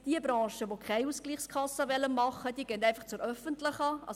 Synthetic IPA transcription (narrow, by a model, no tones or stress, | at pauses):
d̥iəbɾɑ̃ːʃəʋokʰɛɪuskliːχskʰɑsəʋɛlːənmɑχːəd̥iːəɡɛndæɪfɑχt͡sʊɾœfəntlɪχɑʔɑ̰